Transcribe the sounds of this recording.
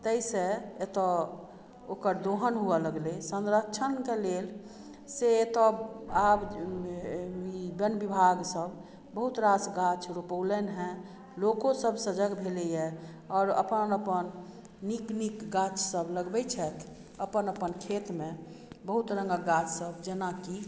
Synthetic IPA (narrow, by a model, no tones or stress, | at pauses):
t̪əiseet̪ɔ | okəɾd̪oɦənɦuɛləɡlesə̃nɾəkt͡ʃʰənkelel | seet̪ɔab | ibənbibʱaɡsəb | bəɦut̪ɾasɡat͡ʃʰɾupəlɛnɦɛ̃ | lokosəbsəd͡ʒəɡbʱelɛjɛ | ɔːɾə̰pənəpənː | iknikɡat͡ʃsəbləɡbɛt͡ʃʰɛt̪ʰ | əpənəpənkʰet̪mẽbəɦut̪ɾəŋɡəɡat͡ʃʰsəbd͡ʒenaki